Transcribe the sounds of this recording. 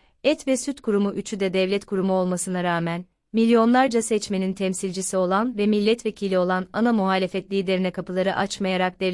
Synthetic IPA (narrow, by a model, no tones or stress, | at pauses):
ɛt̪vɛsyt̪kʰuɾumuʔyt͡ʃʰyd̪ɛd̪ɛvlʲɛt̪kʰuɾumuo̞lˠmasɯnaɾaːmæn | milʲjo̞nlˠaɾd͡ʒasɛt͡ʃme̞nint̪ʰɛmsilʲd͡ʒisio̞lˠanvɛmilʲːɛt̪vecʰilʲio̞lˠananamuɦaːlʲe̞fɛt̪lʲiid̪eɾinɛkʰapɯlˠaɾɯʔat͡ʃmajaɾak̚d̪ɛ